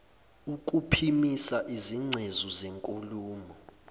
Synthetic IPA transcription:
uk̬ʼupʰimisaʔiziŋ͡ǀʱezuzeŋkʼuluːmɔ

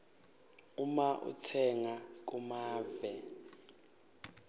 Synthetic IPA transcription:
umaʔṵtʰɛŋak̬ʼumaːvɛ

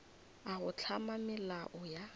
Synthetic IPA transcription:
aɣʊt͡ɬʰamamɪlaʔɔja

